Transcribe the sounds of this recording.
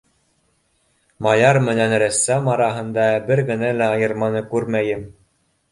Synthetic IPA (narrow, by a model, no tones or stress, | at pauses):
mɑjɑɾmɘ̆nænɾæsːæmɑɾɑɦɤ̆nd̪ɑbɘɾɡɘ̆nælæɑjɤ̆ɾmɑnɤkʉɾmæjɘm